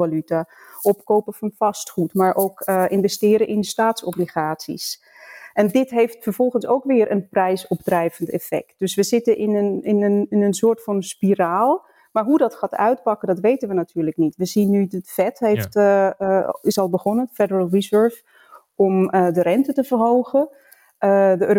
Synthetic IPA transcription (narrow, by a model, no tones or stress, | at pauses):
alytaʔɔpkowpəfɑnfɑstχutmaːɹʔowkʔɪnvɛstɪːɾəʔɪnstaːtsɔbliχaːtsḭs | ɛndɪtɦejftfəɹv̥ɔlˠχənsowkʋɪːɹʔənprɛjsɔpdrɛjvəntɛ̰fɛ̰k̚t̚d̥ɵsʋəzɪtəʔɪnənɪnənɪnənsʊːɹtfɑnspiraːlˠ | maːɹɦudɑtχaːtœ̰ɥt̚pɑkədɑtʋejtənʋənatʰyːɹləknitʋəzinːydətfɛtɦejft | ɪsɑlˠbəχɔnənfɛdəɹəlˠrizɜɹf | ɔmədərɛntətəvərɦowχə | dəøː